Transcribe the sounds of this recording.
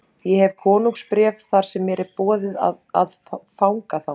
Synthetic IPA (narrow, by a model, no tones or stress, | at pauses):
jɛhɛv̥kʰɔːnuŋkspɾjɛːvθaɾ̥sɛmːɛɾɪɾpɔːðɪða̰ | a̰ð | fawŋkaθaw